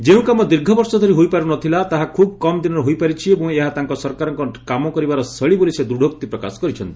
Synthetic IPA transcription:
d͡ʒeũkamɔd̪iɾɡʱɔbɔɾsɔd̪ʱɔɾiɦojpaɾunɔt̪ʰilat̪aɦakʰub̚kɔmɔd̪inɔɾɦojpaɾit͡ʃʰiebɔ̃ŋeɦat̪aŋkɔsɔɾkaɾɔŋkɔkamɔkɔɾibaɾɔsəɭibolised̪uɖʱokt̪ipɾɔka̰sɔ̥kɔɾit͡ʃʰɔnt̪i̥

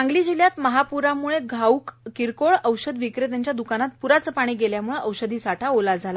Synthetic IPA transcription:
ãŋɡliːd͡ʑiljat̪məɦapuɾamuɭeɡʱaukkiɾkoɭəwɕəd̪ʋikɾet̪jaɲt͡ɕjad̪ukanat̪̚puɾat͡səpaɽ̃iːɡeljamuɭeʔəwɕəd̪ʱiːsaʈʰaolad͡zʱala

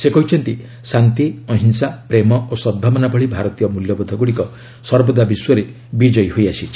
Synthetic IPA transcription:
sekɔɦit͡ʃʰɔnt̪i | sant̪iɔɦinsapɾemɔosɔd̪̚bʱabɔnapʰɔɭibʱaɾɔt̪ijɔmuljɔbɔd̪ʱɔɡuɽikɔ | sɔɾbɔd̪abiswɔɾe | bid͡ʒɔjhojasʰit͡ʃʰi̥

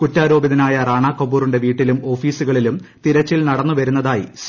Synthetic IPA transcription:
kutːaːɾo̞ːbiðɐnaːjɐraːɳaːkːobuːruɳɖe̞ʋiːʈːilumo̞ːfiːsuɣɐɭilumt̪iɾɐt͡ɕːilnɐɽɐnːuʋɐɾunːɐðaːjḭs

